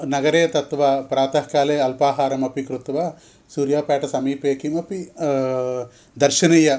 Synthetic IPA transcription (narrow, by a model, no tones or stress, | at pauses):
nɐɡɐɾeːt̪ɐt̪ʋaːpɾaːt̪ɐɦkaːleːɐlpaːɦaːɾɐmɐpikɾut̪ʋaː | suːɾjaːpaːʈɐsɐmiːpeːkimɐpi | d̪ɐɾʃɐnɐjɐ